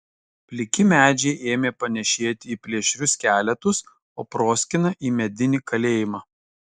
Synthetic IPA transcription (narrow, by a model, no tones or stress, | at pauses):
pʲlʲɪkʲɪmʲæːd͡ʒʲɛɪʔeːmʲeːpɐnʲɛʃʲeːt̪ʲɪiːpʲlʲiɛʃʲɾʲʊskʲæːlʲɛt̪ʊs | oːpɾoːsʲkʲɪnɐʔiːmʲɛd̪ʲɪnʲɪkɐlʲeːjɪmɑː